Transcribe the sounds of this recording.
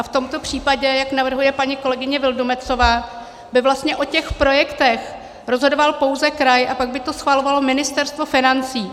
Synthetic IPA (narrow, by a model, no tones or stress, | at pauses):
ʔaft̪o̞mt̪o̞pr̝̥iːpaɟɛjaknavr̩ɦujɛpaɲiko̞lɛɡɪɲɛvɪldomɛt͡so̞vaː | bɪvlast̪ɲɛʔo̞cɛxpɾo̞jɛkt̪ɛx | ɾo̞zɦo̞do̞valpo̞wzɛkɾajʔapaɡ̚bɪt̪o̞sxvalo̞valo̞mɪnɪst̪ɛɾst̪vo̞fɪnant͡siː